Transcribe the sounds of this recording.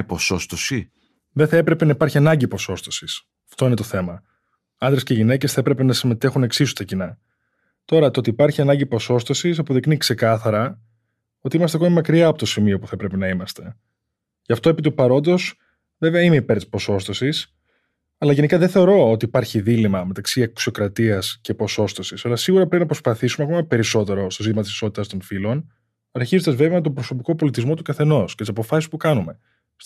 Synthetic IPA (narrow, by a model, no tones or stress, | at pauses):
posost̪osi | ðeθɐepɾe̞pe̞nɐipɐɾçiɐnɐɲɟipo̞so̞st̪o̞sis | ɐft̪o̞inet̪o̞θe̞mɐ | ɐnd̪ɾesceʝine̞cesθɐepɾe̞penɐsime̞t̪e̞xune̞ksisu̥t̪ɐcinɐ | t̪o̞ɾɐt̪oo̞t̪iːpɐɾçiɐnɐɲɟipo̞so̞st̪o̞sis̬ɐpo̞ðiknikse̞kɐθɐɾɐ | o̞t̪iimɐs̬t̪eɐkomimɐkɾiɐːpo̞t̪o̞simio̞puθɐepɾe̞penɐimɐst̪e̞ | cɐft̪o̞e̞pit̪upɐɾo̞nd̪o̞s | ve̞veɐime̞ipe̞ɾt̪i̥spo̞so̞st̪osis | ɐlɐʝe̞nikɐðeθe̞o̞ɾo̞ot̪iːpɐɾçiðilimɐme̞t̪ɐksiɐksio̞kɾɐt̪iɐsce̞po̞so̞st̪osisɐlɐsiɣuɾɐpɾepinɐpɾospɐθisumeɐko̞mɐpe̞ɾiso̞t̪e̞ɾo̞st̪o̞zit̪imɐt̪isi̥so̞t̪it̪ɐst̪o̞nfilo̞n | ɐɾçizond̪ɐzve̞veɐet̪o̞mbɾo̞so̞piko̞po̞lit̪izmo̞t̪ukɐθe̞no̞scet̪isɐpo̞fɐsispukɐnume̞